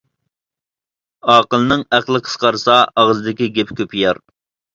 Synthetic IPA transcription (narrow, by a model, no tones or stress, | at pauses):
ɑːqəlˠnɨŋæχlˠəqʰə̥sqɑɾsɑɑʁəzɨd̪ɪkʲiɡʲepkʲʰøpʰijɑɾ